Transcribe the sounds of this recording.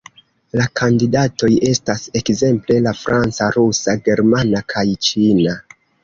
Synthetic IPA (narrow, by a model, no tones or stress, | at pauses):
lakʰandidato̞je̞stase̞kze̞mple̞lafɾʔant͡saɾusaɡe̞ɾmanakʰajt͡ʃina